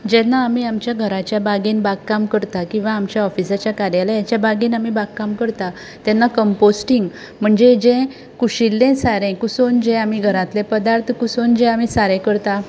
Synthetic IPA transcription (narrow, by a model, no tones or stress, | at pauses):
d͡ʑɛnːaːmiːamt͡ɕjaɡʱəɾat͡ɕjabaɡinbakkamkəɾt̪akĩw̃ʋaːmt͡ɕjaɔfisat͡ɕjakaɾjalajat͡ɕjabʱaɡiːnamibaɡkamkəɾt̪a | t̪jɛnːakəmposʈiŋɡ | m̤əɳd͡ʑed͡ʑɛ̃ | kuɕilːẽsaɾɛ̃kusond͡ʑɛ̃amiɡʱəɾãt̪lepəd̪aɾt̪ʰkusond͡ʑɛ̃amisaɾɛ̃kəɾt̪a